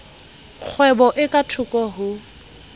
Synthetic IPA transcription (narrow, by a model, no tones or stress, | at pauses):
k͡xʰwɛbɔʔɪkʼatʰʊkʼɔɦʊ